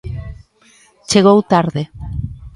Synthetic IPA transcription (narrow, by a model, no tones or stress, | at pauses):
t͡ʃeɣowt̪aɾðe